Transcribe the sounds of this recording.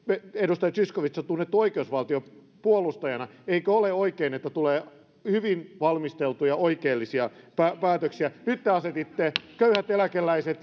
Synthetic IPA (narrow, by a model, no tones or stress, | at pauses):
eedust̪ɑjɑsyskoʋit̪sɑt̪unːet̪ːoikeusʋɑlt̪io | puolust̪ɑjɑnɑeikøoleoikeːnet̪ːæt̪uleː | hyʋinʋɑlmist̪elt̪ujɑoikeːlːisiɑpæpæːt̪øksiænyt̪ːeɑset̪it̪ːekøyhæt̪elækelːˑæiset̪